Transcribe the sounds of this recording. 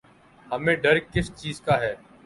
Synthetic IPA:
ɦəmẽːɖəɾkɪst͡ʃiːzkaːɦɛː

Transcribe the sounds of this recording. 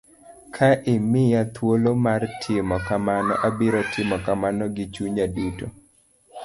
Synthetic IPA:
kʰaʔɪmɪjat̪wolomartʰɪmɔkamanɔ̰ʔabiɾɔtʰɪmɔkamanɔɡɪt͡ʃuɲaduto

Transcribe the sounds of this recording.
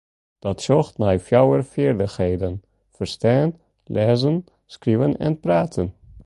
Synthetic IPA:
d̥ɔtʃɔxtnajfjawərfɪːrdəxhejdən | fərstɛːn | lʔɛːzən | skrivənɛ̰npraːtʰən

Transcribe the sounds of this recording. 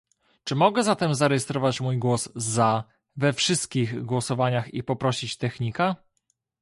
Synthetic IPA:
t͡ʂɘmɔɡɛzat̪ɛmzaɾɛjɛst̪ɾɔvat͡ɕmujɡwɔzza | vɛfʂɘst̪̚kʲiɣɡwɔsɔvaɲaxipɔpɾɔɕit͡ɕt̪ɛxɲika

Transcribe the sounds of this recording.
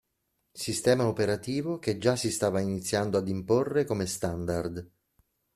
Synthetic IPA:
sist̪ɛːmaopeɾat̪iːvoked͡ʒːasːist̪aːvainit̪sːjand̪oad̪imporːekomest̪and̪ard̪

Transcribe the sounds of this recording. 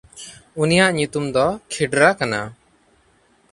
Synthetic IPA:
unijaʔɲut̪umd̪ɔkʰiɖɾakana̰

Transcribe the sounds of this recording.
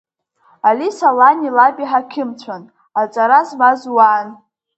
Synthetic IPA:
alisalanilabiħakʲʰɪmt͡ɕʷʰan | at͡sʷʼaɾazmazwaːn

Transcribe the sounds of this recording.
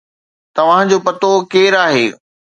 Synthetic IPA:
t̪ɐʋ̤ãɪ̃d͡ʑoːpɐt̪okeːɾaːɦeː

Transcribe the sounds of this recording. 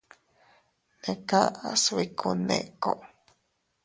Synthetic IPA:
nekaaswikʰunḛʔkoʔ

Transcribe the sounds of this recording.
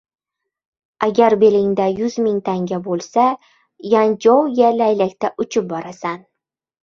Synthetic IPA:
aɡʲaɾbe̞lɪŋd̪ajʊzmɪŋt̪ʰaŋɡʲabolˠsa | jand͡ʒɒwjalajlakʲt̪aʔʊt͡ʃʰɪp̚bɒɾasan

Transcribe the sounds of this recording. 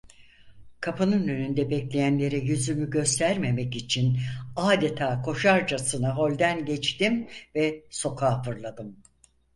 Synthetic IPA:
kʰapʰanɯnønynd̪ɛbɛclʲe̞jænlʲe̞ɾɛjyzymyɟø̞st̪ʰæɾme̞mɛcit͡ʃʰinaːd̪et̪ʰaːkʰo̞ʃaɾd͡ʒasɯnaɦo̞lʲd̪ænɟɛt͡ʃt̪imvɛso̞kʰaːfɯɾlˠad̪ɯm

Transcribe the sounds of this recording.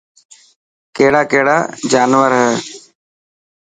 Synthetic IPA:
keːɽaːkeːɽa̰ːd͡ʒaːnʋəɾɦɛː

